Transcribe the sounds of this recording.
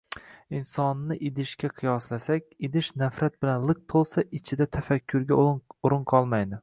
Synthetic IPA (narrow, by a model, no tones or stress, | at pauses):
ɪnsɒnːɪʔɪd̪ɪʃkʲaqʰɨjɒslasakʲɪd̪ɪʃnafɾat̪̚bɪlanlˠɨq̚t̪ʰolˠsaʔɪt͡ʃʰɪd̪at̪ʰafakʲʰːʊɾɡʲaʊɾɨnqʰɒlˠmajd̪ɪ